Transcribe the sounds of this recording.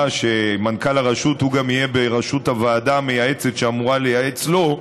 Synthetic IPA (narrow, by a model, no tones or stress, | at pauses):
ʃe̞mankalaʁaʃuthuɡamijebeʁaʃuthavaːdame̞jae̞t͡se̞tʃeamuʁalejaet͡slo̞